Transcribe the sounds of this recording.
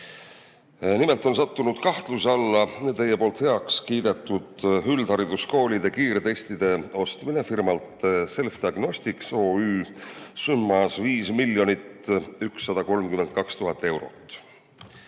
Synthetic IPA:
nimelt̪ˑo̞nsɑt̪ːunud̪̥kɑht̪lusɑlːɑet̪ejːepo̞ːlt̪he̞ɑkskiːd̪e̞t̪ːˑud̪̥hyld̪̥hɑɾid̪̥usko̞ːlʲid̪e̞kiːɾet̪e̞st̪id̪̥e̞o̞st̪minefirmɑlt̪se̞lfd̪iɑɡ̥no̞st̪iksoːyːsumːɑsviːsmiljo̞nit̪yksːɑd̪ɑko̞lmkyme̞nt̪̚kɑkst̪uɦɑt̪ːˑe̞wɾo̞̰t̪ːˑ

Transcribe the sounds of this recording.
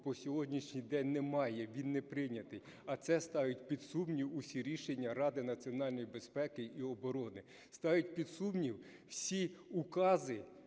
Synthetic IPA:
bɔsʲɔɦɔdʲnʲiʃnʲijd̪ɛnʲnɛmɑjɛʋʲinːɛpɾɪnʲɐt̪ɪj | ɐt̪sɛst̪ɑjʊtʲpʲid̪sumnʲiwusʲiɾʲiʃenʲːɐɾɑd̪ɪnɐt͡sʲiɔnɑlʲnɔjibespɛkɪʔiɔbɔɾɔnɪ | st̪ɑjʊt̚ʲpʲid̪sumnʲiwwsʲiukɑzɪ

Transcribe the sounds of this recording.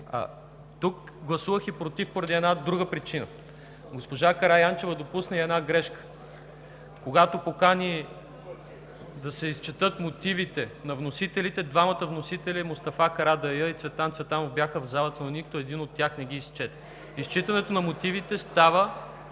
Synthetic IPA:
t̪uk | ɡlˠɐsuvəxipɾot̪ifpoɾɐd̪iɛd̪nad̪ɾuɡəpɾit͡ʃinə̰ | ɡospoʒakɐɾajant͡ʃɛvəd̪opusnəiɛd̪naɡɾɛʃkə̥ | koɡat̪opokani | d̪ɐsɛist͡ʃɛt̪ɤt̪mot̪ivit̪ɛnɐvnosit̪ɛlit̪ɛd̪vamət̪əvnosit̪ɛlʲimost̪ɐfakɐɾad̪ɐjəit̪svɛt̪ant̪svɛt̪anovbjaxəvzalˠət̪ənonikt̪oɛd̪inot̪ːjaxnɛɡiːst͡ʃɛt̪ɛ̥ | ist͡ʃit̪ɐnɛt̪onɐmot̪ivit̪ɛst̪avə

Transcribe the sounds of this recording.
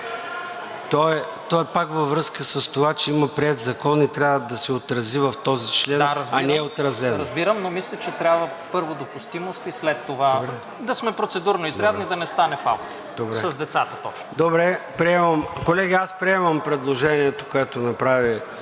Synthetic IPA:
t̪ɔɛ | t̪ɔɛpakvɐvɾɤskəsəst̪ovat͡ʃɛiməpɾiɛt̪zɐkɔnit̪ɾʲavəd̪ɐsɛot̪ɾɐzivɐft̪ɔzit͡ʃlɛnɾɐzɐnɛot̪ɾɐzɛnɾɐzbiɾəmnomislʲɐt͡ʃɛt̪ɾʲabvə | pɤɾvod̪opust̪imost̪islɛt̪ːovabɛ | d̪ɐsmɛpɾot̪sɛd̪uɾnoizɾad̪nid̪ɐnɛst̪anɛfa̰lˠn | d̪obɾɛsɐszd̪ɛt̪sat̪ə̥t̪ɔt͡ʃno̥d̪obɾɛpɾiɛməmkolɛɡʲiaspɾiɛmɐmpɾɛd̪lˠoʒɛniɛt̪okoɛt̪onɐpɾavi

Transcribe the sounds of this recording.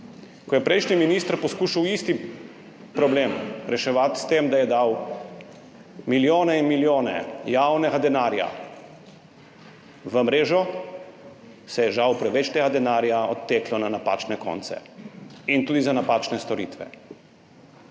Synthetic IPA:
kɔjɛpɾʔɛjʃniminist̪ɾpɔskuːʃawist̪i | pɾɔbleːmɾɛʃɛʋat̪st̪eːmd̪ajɛd̪aw | miljoːnɛinmiljoːnɛ̰jawnɛɡad̪ɛnaːɾja̰ | ʋəmɾeːʒɔ | sɛjɛʒawpɾɛʋɛt͡ʃt̪eɡad̪ɛnaːɾjaɔt̪ːeːklɔnanapa̰ːt͡ʃnɛkɔ̰nt̪sɛ̰int̪uːd̪izanapaːt͡ʃnɛst̪ɔɾḭːt̪ʋɛ̰

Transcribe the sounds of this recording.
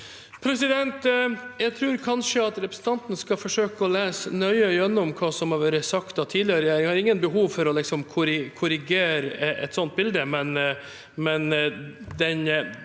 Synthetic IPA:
pʰɾɛsɪd̪ɛnt̪jæɪɡt̪ʰɾʉːɾkʰɑnʂəɑt̪ɾɛpɾəsn̩t̪ʰɑnt̪n̩skɑfɔʂøːkəɔleːsnœʏəʏɛnːɔmkʰɑːsɔmhɑɾʋæːɾəsɑkt̪ɑːt̪ʰiːd̪lɪɑɾəɾɛjæːɾɪŋhɑːɾɪŋːənbəɦuːʋfɔɾɔlɪksɔmkʰʊɾɪkʰʊɾɪɡeːɾʔɛ̰t̪sɔnt̪̚bɪld̪əmɛn | mɛnd̪ɛn

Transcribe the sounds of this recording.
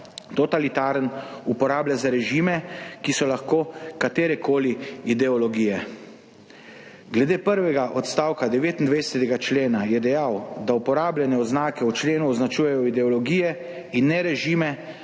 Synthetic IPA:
t̪ɔt̪alit̪aːɾənupɔɾaːbljazaɾɛʒimɛkisɔlaxkoːkat̪eːɾɛkʰoːliid̪ɛɔlɔɡiːjɛ | ɡlɛd̪eːpəɾʋɛɡaʔɔt̪st̪aːwkad̪ɛʋeːt̪ind̪ʋejsɛt̪ɛɡat͡ʃleːnajɛd̪ɛjawd̪aupɔɾaːblʲjɛnɛɔznaːkɛut͡ʃleːnuɔznat͡ʃuːjɛjɔid̪ɛɔlɔɡiːjɛ | inːɛɾɛʒimɛ

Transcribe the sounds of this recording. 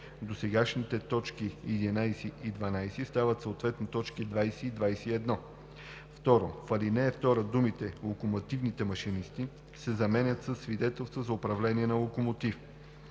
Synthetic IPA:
d̪osɛɡaʃnit̪ɛt̪ɔt͡ʃkijɛd̪inajsiʔid̪vɐnajsist̪avət̪soot̪vɛt̪not̪ɔt͡ʃkid̪vajsɛid̪vajsɛiɛd̪nɔ | ft̪ɔɾofɐlinɛːft̪ɔɾəd̪umit̪ɛlˠokomot̪ivnit̪ɛmɐʃinist̪i | sɛzɐmɛnʲət̪səsːvid̪ɛt̪ɛlˠst̪vəzɐʊpɾɐvlɛniɛnɐlˠokomot̪if

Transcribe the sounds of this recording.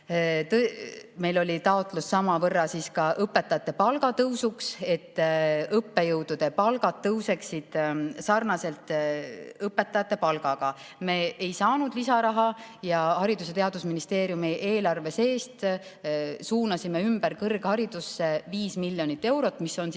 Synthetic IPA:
t̪me̞jlo̞lʲit̪ɑot̪ˑlusːɑmɑvɤrːɑsiːskɑʔɤpːe̞t̪ːˑɑjɑt̪ːˑepɑlɡ̥ɑt̪ɤwsukse̞t̪ːɤpːe̞jɤwd̪̥ud̪̥e̞pɑlɡ̥ɑd̪̥̚ːɤwse̞ksid̪̥sɑrnɑse̞lt̪ˑ | ɤpːˑe̞t̪ːˑɑjɑt̪ːˑe̞pɑlɡ̥ɑɡ̥ɑ | me̞ːejsɑːnud̪̥lisɑɾɑɦɑjɑhɑɾid̪uset̪e̞ɑd̪usminist̪e̞ːɾjumiʔe̞ːlɑrve̞se̞ːst̪ | suːnɑsime̞ymb̥æɾkɤrɡ̥hɑɾid̪̥usːe̞viːsmiljo̞nit̪ːe̞wɾo̞t̪ːˑmiso̞n

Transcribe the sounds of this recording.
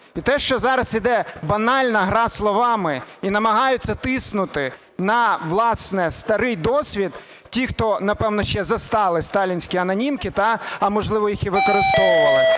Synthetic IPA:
it̪ɛʃt͡ʃɔzɑɾɐsid̪ɛbɐnɑlʲnɐɦɾɑslˠɔʋɑmɪinɐmɐɦɑjʊtʲt͡sʲːɐt̪ɪsnʊt̪ɪ | nɐʋlˠɑsnɛst̪ɐɾɪjd̪ɔsʲʋʲid̪ | tʲixt̪ɔnɐpɛwnɔʃt͡ʃɛzɐst̪ɑlˠɪst̪ɑlʲinʲsʲkʲiɐnɐnʲimkɪt̪ɑɐmɔʒlˠɪʋɔjixiʋɪkɔɾɪst̪ɔʋʊʋɐlˠɪ

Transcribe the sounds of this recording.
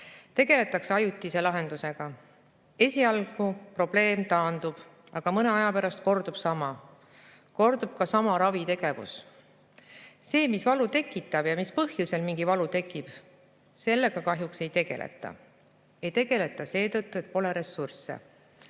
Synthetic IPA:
t̪e̞ɡ̥e̞le̞t̪ːˑɑkseɑjut̪ːise̞lɑɦe̞nd̪̥use̞ɡ̥ɑ | e̞sʲiɑlɡ̥upro̞b̥le̞ːmt̪ɑːnd̪̥ub̥ | ɑɡ̥ɑmɤne̞ɑjɑpeɾɑst̪̚ko̞rd̪ub̥sɑmɑ | ko̞rd̪̥ub̥kɑsɑmɑɾɑvit̪e̞ɡ̥e̞vṵs | se̞ːmisvɑlut̪e̞kːˑit̪ːˑɑb̥jɑmispɤhjuse̞lmiŋɡivɑlut̪e̞kːˑib̥ | se̞lːe̞ɡ̥ɑkɑɦjukse̞jt̪e̞ɡ̥e̞̰lʔḛt̪ːˑɑ̰ | e̞jt̪e̞ɡ̥e̞le̞t̪ːˑɑse̞ːt̪ɤt̪ːue̞t̪̚po̞le̞ɾesursḛ

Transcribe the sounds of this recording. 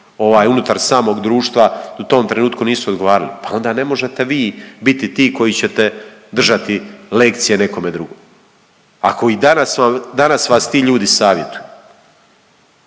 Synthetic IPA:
o̞ʋaːjunut̪aɾsaːmo̞ːɡd̪ɾuːʃt̪ʋaut̪o̞ːmt̪ɾe̞nuːt̪kuniːsuod̪ɡo̞ʋaːɾalipao̞nd̪ane̞mo̞ʒe̞t̪e̞ʋiːbit̪it̪iːko̞jit͡ɕe̞t̪e̞d̪r̩ʒat̪ilekt̪sije̞ne̞ko̞me̞d̪ɾuɡoː | a̰koid̪anasamd̪anasʋaːst̪iːʎuːd̪isaːʋje̞t̪uju

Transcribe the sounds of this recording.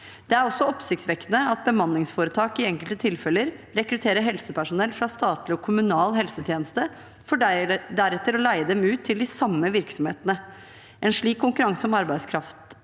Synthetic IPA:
d̪̥ɛæɾɔsːɔɔpsɪkt̪sʋɛkt̪ənəɑt̪̚bəmɑnːɪŋsfoːɾət̪ʰɑːkɪɛŋkəlt̪ət̪ʰɪlfɛləɾɾɛkɾʉt̪ʰeːɾəɦɛlsəpʰæʂʊnɛlfɾɑst̪ɑːt̪lɪɔkʰʊmʉnɑːlɦɛlsət̪ʰjeːnəst̪ə | fɔd̪æɾɛt̪ːəɾɔlæɪəd̪ɛmʉːt̪ʰːɪld̪ɪsɑmːəʋɪɾksɔmhḛːt̪ənə | ʔɛnʂɭiːkʰːʊŋkʉɾɑŋsɔmɑɾbæɪskʰɾɑft̪

